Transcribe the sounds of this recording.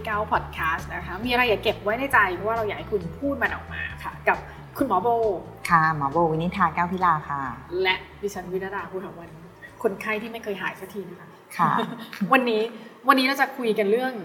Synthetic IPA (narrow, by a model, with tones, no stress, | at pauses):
kaː˥˩wpʰɔː˨˩t̪̚kʰaː˦˥st̪̚na˦˥kʰa˦˥miː˧ʔa˧ɾaː˧jːaː˨˩ke˨˩p̚wa˦˥jdaː˥˩jt͡ɕa˧jpʰɔ˧˦waː˥˩ɾa˧wa˨˩ha˦jkʰu˧npʰuː˥˩t̪̚ma˧nʔɔ˨˩k̚ma̰ː˧kʰa˦˥˩ka˨˩p̚ | kʰu˧nmɔː˨˩˦boː˧ | kʰa˥˩mɔː˩˦boː˧wi˦ni˦˥t̪ʰaː˧kaː˥˩wt̪ʰiː˦˥laː˧kʰaː˧˥˧lɛ˦˥ʔdiː˧˩t͡ɕʰa˦˥nwi˦˥na˦˥ɾaː˧kʰu˧tʰa˩wa˧ni˦˥kʰo˧nkʰa˥˩jt̪ʰiː˥˩ma˥˩jkʰɤː˧jɦaː˩˦jsaː˦˥t̪ʰiː˧˩na˦˩kʰa˦˥ | kʰa̰˧˩wa˧nːiː˦˥wa˧nːi˦ɾa˧wt͡ɕa˨˩kʰu˧jka˧nɾɯ˥˩əŋ